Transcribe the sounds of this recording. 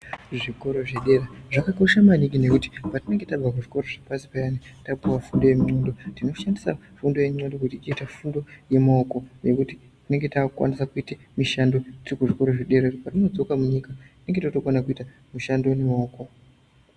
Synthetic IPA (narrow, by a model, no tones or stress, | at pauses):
ʐiko̞ɾo̞ʐeɗe̞raʐakakaʃamaniɡine̞kuti̥patine̞ŋɡe̞tab͡vakuʐiko̞ɾo̞ʐapasi̥pajanitapuwafundo̞je̞mondo̞tino̞ʃandisa̰ | fundo̞jeɲadokutiːt͡ʃiitafundo̞je̞maoko̞je̞kuti | tine̞ŋɡe̞takwa̰nisakuitemiʃando̞tirikuʐiko̞ɾo̞ʐeɗe̞rerpatino̞d͡zo̞kamuɲikatine̞ŋɡe̞tatokonakuita | muʃando̞nemaoːko̞